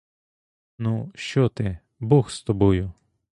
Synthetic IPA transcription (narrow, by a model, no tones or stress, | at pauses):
nuʃt͡ʃɔt̪ɪ | bɔxst̪ɔbɔjʊ